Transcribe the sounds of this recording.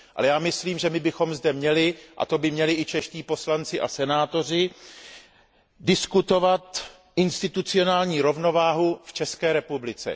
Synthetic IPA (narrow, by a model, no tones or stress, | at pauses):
ʔa̰lɛjaːmɪsliːmʒɛmɪbɪxo̞mzdɛmɲɛlɪʔa̰t̪o̞bɪmɲɛlɪʔɪt͡ʃɛʃciːpo̞slant͡sɪʔa̰sɛnaːt̪o̞rɪ | dɪskut̪o̞vat̪ | ʔɪnst̪ɪt̪ut͡sɪo̞naːlɲiːɾo̞vno̞vaːɦuft͡ʃɛskɛːɾɛpublɪt͡sɛ̰